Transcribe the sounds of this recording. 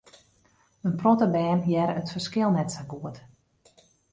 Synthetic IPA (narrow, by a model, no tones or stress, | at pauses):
ənprɔtəbɛːnjɛɾətfərskɪlˠnɛtsaɡuət